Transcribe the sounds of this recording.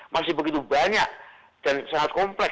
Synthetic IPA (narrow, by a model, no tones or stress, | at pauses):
masɪhbəɡit̪ubaɲak̚ | d̥ansaŋat̪̚kɔmplɛ